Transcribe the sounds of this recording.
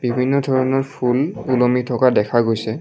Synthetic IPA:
b̥ibʱinːɔdʱɔɹɔnɔɹpʰululomitʰɔkadɛkʰaɡojsɛ

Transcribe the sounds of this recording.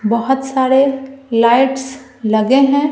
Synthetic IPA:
bɐɦʊt̪saːɾelaːɪʈs | lɐɡeɦɛ̃

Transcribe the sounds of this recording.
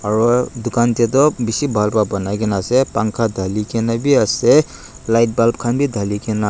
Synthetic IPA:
aɹɔd̪ukant̪ɛt̪̬ɔbisibʱalbabɔnajkɛnasɛpaŋkʰad̪ʱalikɛnabiasɛ | lajt̚balp̚kʰanbʱid̪ʱalikɛna

